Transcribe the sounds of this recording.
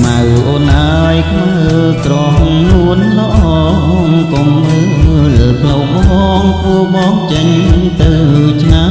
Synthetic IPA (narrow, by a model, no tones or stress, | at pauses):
mawʔoːnʔaəjkʰla | ə | sroh | nuənləʔɑː | komlə | ləːpʰlowɓɓɑːŋkuəɓɑːŋt͡ɕəɲt̪ɨwt͡ɕʰna